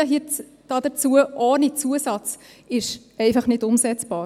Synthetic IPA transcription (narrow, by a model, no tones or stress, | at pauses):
ɦi | d̥ɑdət͡suəʔoːnit͡suəsɑt͡s | ɪʃ | ɛɪfɑχnɪdʊmsɛt͡sb̥ɑː